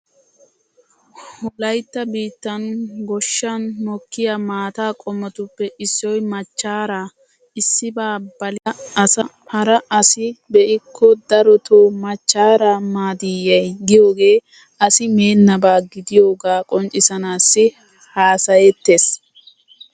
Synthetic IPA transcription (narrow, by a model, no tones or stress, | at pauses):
hʊlɐjt̪ːɐbiːt̪ːɐnɡɔʃːɐnmɔkːɪjamaːt̪aːkʼɔmːɔt̪ʊpːɛʔɪsːɔjmɐt͡ʃːaːɾaː | ɪsːɪbaːbɐlɐsɐ | hɐɾɐʔɐsɪbɛʔɪkʰːɔd̪ɐɾɔt̪oːmɐt͡ʃːaːɾaːmaːd̪ɪjɐjɡɪjo̞ːɡe̞ː | ɐsɪme̞ːnːɐbaːɡɪd̪ɪjo̞ːɡaːkʼɔnt͡ʃʼːɪsɐnaːsːɪ | haːsɐjɛt̪ːe̞ːs